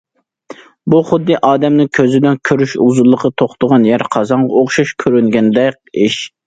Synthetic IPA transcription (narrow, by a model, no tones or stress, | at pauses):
buχʊd̪ːɨʔɑːd̪ɛmnɪŋkʲʰøzɪd̪ɪnkʲʰøɾyʃuzulˠːəqʰət̪ʰoχt̪ʰʊʁɑnjæɾqʰɑzɑɴʁɑoχʃuʃkʲʰøɾyŋɡʲɛnd̪ɛk̚ʲɪʃ